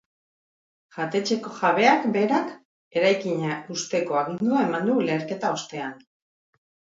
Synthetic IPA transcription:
ʝat̪e̞t͡ʃe̞ko̞ʝaβe̞akbe̞ɾak | e̞ɾajkiɲaust̪e̞ko̞aɣind̪uae̞mand̪ule̞ːɾke̞t̪ao̞st̪e̞an

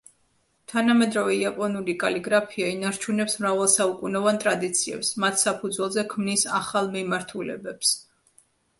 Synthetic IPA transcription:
t̪ʰanamɛd̪ɾavɛiapʼɔnulikʼaliɡɾapʰiainaɾt͡ʃʰunɛpsmɾavalˠsaukʼunɛvant̪ʼɾad̪it̪sʰiɛ̰psmat̪ʰsapʰud̪zwɛlˠzɛkʰmnisa̰χalˠmimaɾt̪ʰulɛ̰bɛps

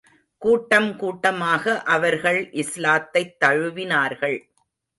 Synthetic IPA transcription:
kuːʈːɐmkuːʈːɐmaːɣɐʔɐʋɐɾɣɐɭʔɪslaːt̪ːɐɪt̪ːɐɻɯʋɪnaːɾɣɐɭ

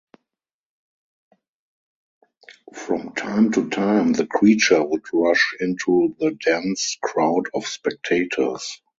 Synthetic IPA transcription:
fɹɔ̃mtʰãɪ̃mtʰutʰãɪ̃mðəkʰɹiːt͡ʃə˞wʊdɹaʃɪ̃ntʰuðədæ̃nskʰɹaʊdɔfspɛk̚tʰeɪtʰə˞s

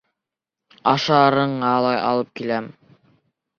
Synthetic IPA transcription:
ɑʃɑɾɤ̆ɴɑlˠɑjɑ̰lˠɤp̚kilæm

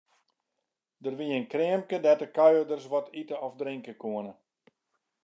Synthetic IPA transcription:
dərʋiənkrɪəmkədɛtəkœjədərsʋɔtitəɔfdrɪŋkəkʰuənə

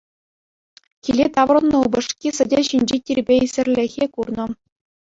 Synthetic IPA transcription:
kʲilʲet̪ɑʋrɤ̆nːɤ̆ubɤ̆ʂkʲisʲɘ̆dʲeɕinʲd͡ʑetʲirʲbʲeisʲɘ̆rʲlʲɘ̆xʲekurnɤ̆

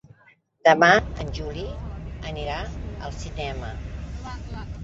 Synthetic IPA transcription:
d̪̥əmaə̰nʲʒuliəniɾaəlˠsinɛmə

